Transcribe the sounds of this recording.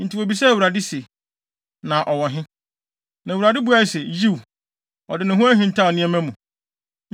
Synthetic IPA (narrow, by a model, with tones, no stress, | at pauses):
n̩˨tɪ˨wo˨bi˨s̬ɛ˦˨wu˨ɾa˨dɪ˦se˨ | nã˨ʔɔ˨wɔ̃˨ɦɪ̃˦ | nã˨wu˨ɾa˨dɪ˦bu˨˦a˦˨sɛ˨ji˦w | ɔ̰˨dɪ˨nʊ̃˨ɦʊ̃˦æ˦ɦĩ˨n̩˨tʰa˦ɔ˨nɪ̃˦ɛ̃˦mæ̃˦mũ˨